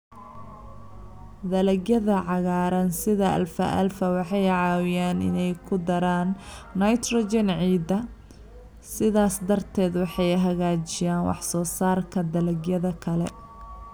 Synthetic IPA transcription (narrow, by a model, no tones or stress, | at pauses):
d̪ɐlɐɡjɐðɐʕɑɣaːɾɐnsɪðɐʔɐ̰lfɐ̰ʔɐ̰lfɐwɑħɑjʕɑːwɪjaːnɪ̰nɛjkʰʊd̪ɐɾaːnːɐjt̪rɔd͡ʒɛnʕiːd̪ɐ | sɪðaːsd̪ɐrt̪ʰɛːd̪wɑħɑjɦɐɣaːt͡ʃɪjaːnwɑ̰ħsɔːsaːrkʰɐd̪ɐlɐɡjɐðɐkʰɐlɛ̰